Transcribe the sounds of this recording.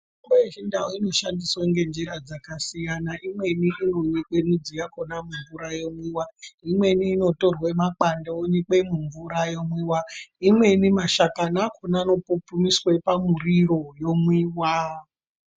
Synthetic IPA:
imboeʒindawoino̞ʃandiswaŋɡe̞nd͡ʒiɾad͡zakasijanaʔimwe̞niinojeke̞nid͡zijakonamuɱvuɾajomwiwaimwe̞niːno̞to̞rwemak͡pandoonik͡pe̞muɱvuɾajo̞mwiwaimwe̞nimaʃakanakʰonano̞popumiswe̞pamuriro̞jo̞mwiwa

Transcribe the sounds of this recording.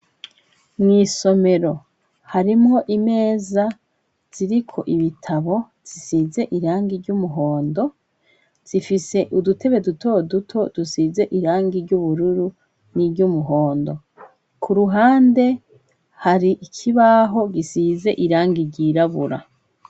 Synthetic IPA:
mŋiːso̞me̞ɾo̞ | haɾimŋo̞ʔime̞ːza | z̥iɾikʰo̞̰ʔiβitʰaβo̞ | z̥isize̞ʔiɾaːŋɡiɾɟumuɦo̞ːndo̞ | z̥ifise̞ʔudutʰe̞βe̞duto̞dutʰo̞d̥usiːze̞ʔiɾaːŋɡiɾɟuβuɾuɾu | niɾɟumuɦo̞ːndo̞ | kʰuɾuɦaːnde̞ | haɾiʔikʰiβaɦo̞ɡisize̞ʔiɾaːŋɡiɾɟiɾaβuɾa̰

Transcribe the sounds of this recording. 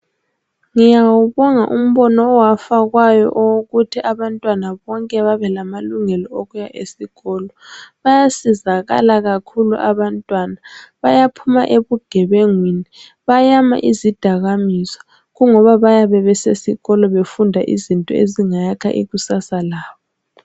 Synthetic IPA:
ŋijawuβɔŋa̰ʔum̩βɔnɔːwafaɣwajɔ̰ʔɔwoɣutʰiʔaβantʼwanaβɔŋkʼɛβaβɛlamaluŋɛlɔoɣujaʔesiɣɔːlɔβajasizaɣa̰laɣakʰulṵʔaβantʼwanaβajapʰuma̰ʔeβuɡ̥ʱɛβeŋwini | βajama̰ʔizid̥ʱaɣamisɔ̥ | ɣuŋɔβaβajaβɛβɛsesiɣɔlɔβefundʱaʔḭzintʼɔeziŋajakʰa̰ʔḭɣusasalaːβɔ

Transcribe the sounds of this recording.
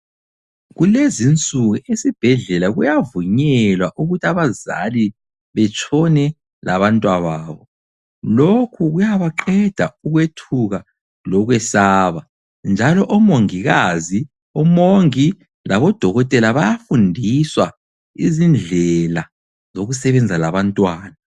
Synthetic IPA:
ɣulezint͡sʼuɣuʔesib̥ʱɛɮɛlaɣujavuɲɛlwaʔuɣutʰaβaza̰li | βɛt͡ʃʼʰɔnɛ | lʔa̰βantʼwaβaːβɔ | lokʰuɣujaβaǃɛd̥ʱauɣwetʰuɣa | lɔɣwɛsaːβa | nd͡ʒʱalɔʔɔmoŋiɣazi | ɔmoŋi | laβɔd̥ʱɔɣɔtʼɛlaβajafundʱiswa | izind͡ɮʱɛla | zoɣusɛβɛnd͡zʱalaβantʼwaːna

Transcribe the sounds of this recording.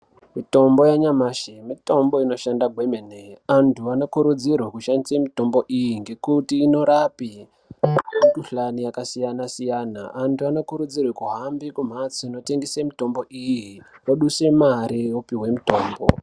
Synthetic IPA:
mito̞mbo̞jaɲamaʃemito̞mbo̞ino̞ʃandaɡʱwemeneantʰuano̞kuɾud͡zirwekuʃandisemito̞mbo̞ʔijiŋɡe̞kutiːno̞ɾapi | tuɬanijakasijanasijana̰antʰuano̞kuɾud͡zirwekuɦambikum̤at͡sino̞te̞ŋɡesemito̞mbo̞ʔijiroɗuse̞maɾiupiɦwe̞mito̞ːmbo̰

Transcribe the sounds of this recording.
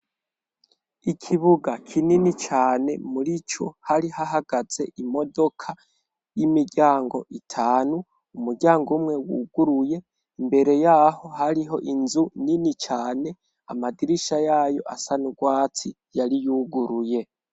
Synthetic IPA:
ikʰiβuɡakʰininit͡ʃaːne̞muɾit͡ʃo̞haɾihaɦaɡ̥az̥e̞̰ʔimo̞do̞kʰa | jimiɡɟʲaːŋɡo̞̰ʔitʰaːnu | umuɡɟaːŋɡumŋe̞wuɡ̥uɾuje̞ | imbe̞ɾe̞jaːho̞haɾiɦo̞ʔinzuninit͡ʃaːne̞ | a̰madiɾiʃajaːjo̞̰ʔasanuɡwaːt͡si | jaɾijuɡuɾuje̞

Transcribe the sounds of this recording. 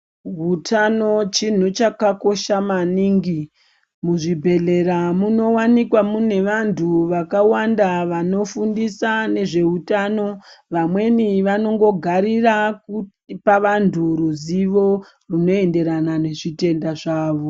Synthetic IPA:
ɦutʰano̞t͡ʃin̤ut͡ʃakako̞ʃamaniːŋɡi | muʐibʱe̞ɮe̞ɾamuno̞wanikwamune̞ʋantʰuʋakawandaʋano̞fundisane̞ʐe̞utano̞ʋamwe̞niʋano̞ŋɡo̞ɡʱaɾiraku | paʋantʰuɾuziʋo̞ | runo̞e̞nde̞ɾanane̞ʐite̞ndaʐaːʋo̞

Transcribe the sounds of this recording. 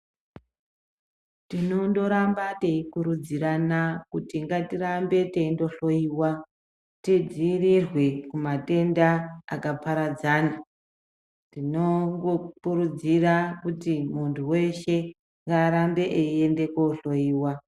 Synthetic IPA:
tino̞ndo̞ɾambate̞ikuɾud͡ziɾanakutiŋɡatiɾambe̞teindo̞ɬo̞jiːwa | tid͡ziirirwekumate̞ndaakapaɾad͡zaːna | tino̞ŋɡokuɾud͡zirakutimuntʰuwe̞ʃe̞ | ŋɡaːɾambe̞ʔeie̞nde̞koɬo̞iːwa

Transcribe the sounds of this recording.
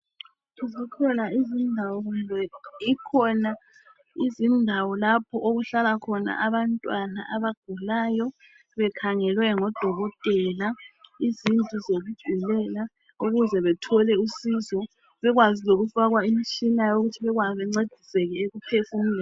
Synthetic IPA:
uzikʰɔnaizindʱawɔɣundʱɛikʰɔna | izindʱawɔlapʰɔʔoɣuɬalakʰɔna̰ʔaβantʼwana̰ʔaβaɡ̥ʱulajɔ | βɛkʰaŋɛlwɛŋɔd̥ʱɔɣɔtʼɛlaizintʼizoɣud̥ʒ̥ʱilɛla | uɣuzɛβɛtʰɔlɛusizɔ | βɛɣwaziloɣufaɣwaimit͡ʃʼʰinajoɣutʰiβɛɣwaβɛŋ͡ǀed̥ʱisɛɣɛeɣupʰesim̩ɛ

